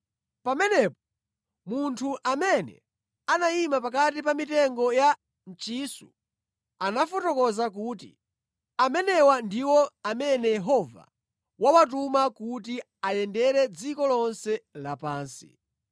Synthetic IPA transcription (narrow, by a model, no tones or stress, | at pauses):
pamɛnɛpɔ̥ | muntʰuʔamɛnɛ̰ | anaimapakatipamitɛŋɡɔja | n̩t͡ʃisu | anafɔtɔkɔzak̬uːtḭ | amɛnɛwandiwɔamɛnɛjɛɦɔva̰ | wawat̬umakut̬i | ajɛndɛɾɛd͡zikɔlɔnsɛlapaːnsḭ